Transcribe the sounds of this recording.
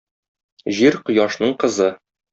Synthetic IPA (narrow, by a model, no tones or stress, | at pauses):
ʑiɾqŏjɑʃnɤɴqɤ̆zɤ